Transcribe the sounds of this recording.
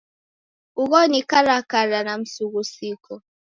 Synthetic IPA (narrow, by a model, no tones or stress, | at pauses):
uɣɔnikaɾakaɾanam̩suɣusikʰɔ